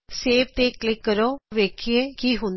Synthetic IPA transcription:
seːʋt̪eːklɪkːəɾoːʋeːkʰieːkiːɦʊ̃n

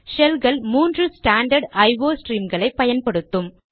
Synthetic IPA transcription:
ʃɛlɡɐɭmuːndrɯsʈaːɳɖɐɾɖɐɪʋoːsʈɾiːmɡɐɭɐɪpːɐjɐnpɐɽɯt̪ːɯm

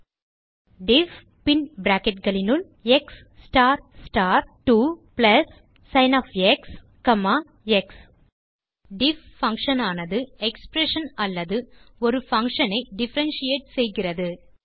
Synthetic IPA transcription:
ɖɪf | pɪnbɾaːkɛʈ̚ɡɐɭɪnɯl | ɛksːʈaːɾsʈaːɾʈuplɐsː | ɐɪnaːfɛks | kɐmːaː | ɛks | ɖɪffɐŋkʂɐnaːnɐðɯɛkspɾɛʂɐnɐlːɐðɯɔɾɯfɐŋkʂɐnɐɪɖɪfɐɾɐnsijeːʈsɛjɣɪrɐðɯ

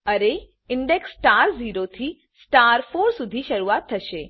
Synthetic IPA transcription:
əɾe | ɪɳɖeksʈaɾziːɾot̪ʰi | sʈaɾfoɾsud̪ʱiʃəɾuat̪ʰːəʃe

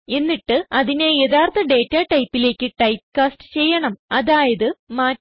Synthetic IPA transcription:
e̞nːiʈːɨɐðinejeðʰaːrt̪ʰɐɖe̞ːtːaːʈɐjpːile̞ːkʲːɨʈɐjp̚kaːsʈɨ̥t͡ɕe̞jːɐɳɐmɐðaːjɐðɨmaː

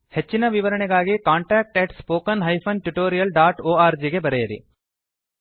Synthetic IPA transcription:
het͡ʃːinɐʋiʋɐɾɐɳeɡaːɡikaːɳʈaːk̚ʈeʈspoːkɐnɦɐjfʰɐnʈuʈoːɾijɐlɖaːʈoːaːɾd͡ʒiɡebɐɾejɐɾḭ

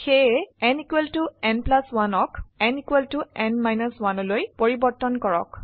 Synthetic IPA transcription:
xeɛnikweltuɛnplaswanɔkɛnikwɛltuɛnmajnɔswanɔlojpoɹibɔɹtɔnkɔɹɔ̰k

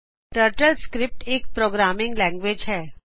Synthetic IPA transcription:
ʈəɾʈəlskɾɪp̚ʈeːk̚pɾoːɡɾaːmɪ̃ŋɡlɛ̃ŋɡʋeːd͡ʒɦɛː

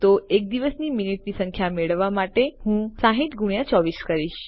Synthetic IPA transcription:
t̪oek̚d̪iʋəsniminiʈnisə̃ŋkʰjameɭəʋːamaʈehũsãɦit̪ɡuɽ̃jãt͡ʃɔʋiskəɾiʃ

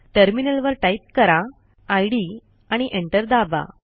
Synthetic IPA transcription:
ʈəɾminəlʋəɾʈaip̚kəɾaː | jɽi | aɽ̃iʔeɳʈəɾd̪aba̰

